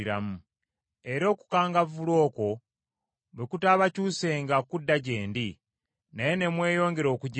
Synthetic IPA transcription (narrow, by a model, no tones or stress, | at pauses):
iɾa̰mu | e̞ɾo̞ːku̥kaːŋɡavulo̞ːko̞ | βekutaːβacuːse̞ːŋɡakudːaɟe̞ːndi | naje̞ne̞mwe̞ːjo̞ːŋɡe̞ɾo̞ːkuɟ